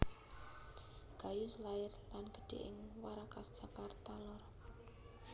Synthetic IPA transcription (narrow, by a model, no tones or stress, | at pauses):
ɡ̥a̤jʊslaɪrlanɡ̥ə̤̥ɖ̪̥ḛʔɪ̰ŋwaɾakasd̥ʒ̥akart̪alɔr